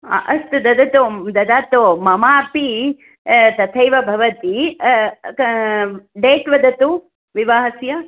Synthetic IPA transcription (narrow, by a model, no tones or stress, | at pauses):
ʔɐst̪ud̪ɐd̪ɐt̪oːd̪ɐd̪aːt̪oːmɐmaːpi | t̪ɐt̪ʰɐjʋɐbʱɐʋɐt̪i | ɖeːʈʋɐd̪ɐt̪u | ʋiʋaːɦɐsjɐ